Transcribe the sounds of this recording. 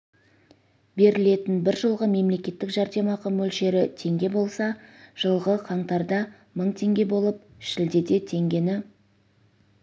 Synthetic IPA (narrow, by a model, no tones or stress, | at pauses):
be̞ɾɪle̞t̪ɪnbɪɾʒəlˠʁəme̞mle̞kʲe̞t̪ːɪkʒɑɾd̪e̞mɑqʰəmɵlʃe̞ɾɪt̪ʰe̞ŋɡʲe̞bo̞lˠsɑʒ̥əlˠʁəqʰɑɴt̪ɑɾd̪ɑ | məɴt̪ʰe̞ŋɡʲe̞bo̞lˠəp̚ʃɪld̪e̞d̪e̞t̪ʰe̞ŋɡʲe̞nɪ